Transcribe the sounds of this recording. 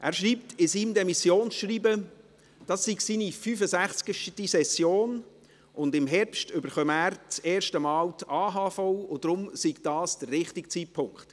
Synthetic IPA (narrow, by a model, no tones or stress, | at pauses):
ʔæːɾʃriːptʰɪsiːmdɛmisjoːnsʃriːbə | d̥ɑsːiɡsiːnifyːfəsæχt͡skəʃtisɛsjoːn | ʊndɪmɦɛɾpʃtʏbəɾχœmæːɾt͡seːɾʃtəmɑːwtɑːɦɑːfɔwʊd̥ɾʊmsiɡd̥ɑːsd̥ərɾɪχtɪkt͡siːtpʰʊŋkχt